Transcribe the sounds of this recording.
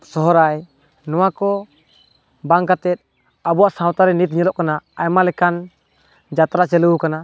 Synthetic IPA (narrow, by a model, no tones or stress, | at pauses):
sɔɦɔɾaj | nɔwakɔ | baŋkat̪ɛt̪̚ | abuwaʔsãwt̪aɾɛnit̪̚ɲɛlɔʔkanaːjmalɛkan | d͡ʒat̪ɾat͡ʃɛluukana